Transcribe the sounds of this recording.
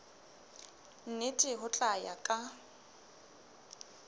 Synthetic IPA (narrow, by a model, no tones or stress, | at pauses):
n̩netʼɪɦʊt͡ɬʼaja̰kʼa